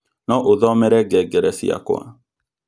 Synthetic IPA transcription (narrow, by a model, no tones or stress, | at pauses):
nɔʔoðɔmɛɾɛɡɛɡɛɾɛsḭa̰ko̰a̰